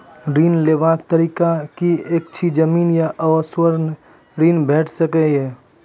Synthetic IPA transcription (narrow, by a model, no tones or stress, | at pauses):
ɾiːnleːʋaːkt̪əɾiːkakieːk̚t͡ʃʰid͡ʒəmiːnjaʔəəswəɾn | ɾiːnbʱɛːʈʰsəkeɦɛː